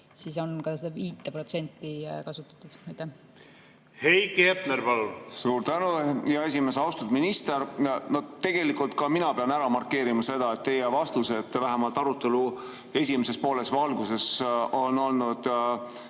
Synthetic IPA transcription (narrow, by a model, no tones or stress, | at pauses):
siso̞nkɑsed̪ɑviːt̪ːˑeprot̪se̞nʲt̪ːikɑsut̪ːˑɑ̥t̪ːˑud̪̥ɑjt̪ːeh | hejkep̪neɾpɑlunsuːɾt̪ænujɑe̞s̬ʲime̞sɑwst̪ud̪minist̪eɾno̞t̪ːe̞ɡ̥elikːˑult̪̚kɑminɑpeɑnæɾɑmɑrkːe̞ːɾimɑse̞d̪̥ɑet̪t̪ːe̞jevɑst̪use̞t̪ːˑvæɦemɑlt̪ːˑɑɾut̪ːe̞lu | e̞sʲimese̞spo̞ːle̞svɑlɡuse̞so̞no̞lnud̪̥